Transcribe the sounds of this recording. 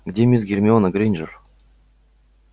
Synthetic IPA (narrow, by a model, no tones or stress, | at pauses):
ɡdʲemʲizɡʲerʲmʲɪonəɡɾʲinʲʒər